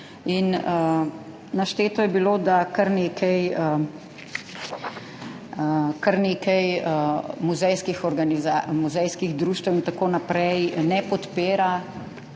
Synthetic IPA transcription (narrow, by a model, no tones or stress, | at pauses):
inə | naʃt̪eːt̪ɔjɛbiloːd̪akaɾneːkʰɛjə | kaɾneːkɛjəmuzɛjskixɔɾɡanizamuzɛjskiɣd̪ɾuːʃt̪əwint̪akoːnapɾɛjnɛpɔt̪peːɾa